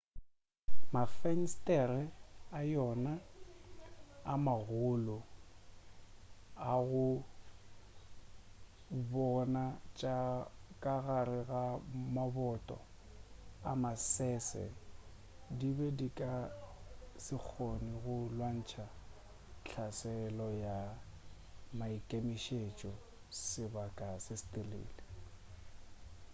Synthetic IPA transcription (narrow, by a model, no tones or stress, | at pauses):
mafɛn̩stʼɛɾɛajɔna | amaɣʊlɔ | aɣʊ | bɔnat͡ʃʼakʼaɣaɾɪɣamabɔtʼɔ̰ | amasɛsɛ̰ | dibɛdikʼa | sɪk͡xʰoniɣʊlwan̩t͡ʃʰa | t͡ɬʰasɛlɔja | maikʼemiʃet͡ʃʼɔ | sɪbakʼasɪstʼelḛːlɪ